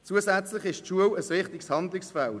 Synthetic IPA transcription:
t͡suəsæt͡slɪχɪʃtʃuəwəsʋɪχtɪkshɑndlɪksfɛl

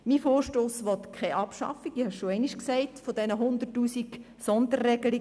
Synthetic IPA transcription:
mifoːrʃtoːsʋɔt̪kʰɛɪʔɑpʃɑ̰fiɡɪhɛʃʃoɛɪniʃksɛɪtfod̥ɛnəɦʊnd̪ərtːuːsik | sɔnd̪ərːɛɡ̥əli

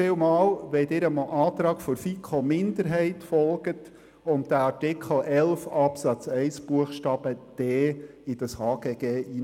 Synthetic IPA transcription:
ɪːwmɑːlʋɛd̪ɪɾəmʔɑːt̪ɾɑːɡfɔɾfikʰomɪnd̪əɾɦɛɪtfɔlɡ̥ət | ʊn̚d̥æɑɹtɪkʰl̩ʔɛlfɑpsɑt͡sɛɪsb̥uəχʃtɑːb̥əd̪̥ɛː | ɪd̥əshɑːɡ̥eːɡ̥eːʔiː

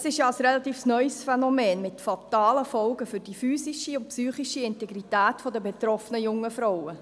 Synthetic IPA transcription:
sɪʃjɑɑsɾelɑt̪iːfsnœʏsfɛnɔmɛːnmɪtfɑt̪ɑːləfɔlɡəfʏɾd̥ifyːsiʃiʊntpsyːχiʃiɪnteɡɾitæːtfɔdəbet̪ɾɔfənəjʊŋːəfɾɔwə

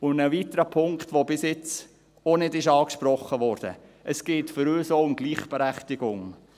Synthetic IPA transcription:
ʊndəvitəɾəpʰʊŋktʋobɪsjɪt͡s | onɪdɪʃɑːkʃprɔχːəʋɔɾd̥ə̰ | ʔəsɡ̥eːtfʏɾøːsoʊmɡ̥liːχb̥ɛɾæχtɪɡ̥ʊŋ

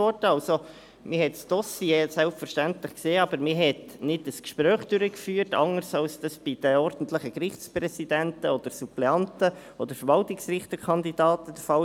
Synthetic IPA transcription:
ɔrdəɑlso | mɪhɛtsd̥ɔsjeːsɛlpfəɾʃtæntləχkseːɑb̥əɾmɪɦɛtnɪdəskʃpɾœːχd̥ʉɾəkfyːərtɑ̰ŋəɾsɑlsd̥ɑsb̥id̥əɔrd̥n̩tləχəkɾɪχtspɾɛsid̥̪æntəɔd̥̪əɾsuplɛɑntə | ɔd̥̪əɾfəɾvɑltɪksrɪχt̪əkʰɑnd̪id̥ɑːtəd̥̪əfɑ

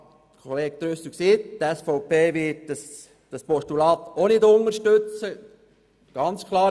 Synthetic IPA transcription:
kʰoleːk̚t̪ɾøsəksiːttɛsfɔwpeːʋɪt̚d̥ɑs | d̥ɑspɔʃtulɑːt̪onɪdoŋəɾʃtøt͡sə | ɡ̥ɑnt͡skʰlˠɑː

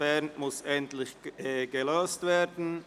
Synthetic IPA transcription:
ɛnmʊsɛntlɪçɡ̥əlɑstv̥eːdn̩

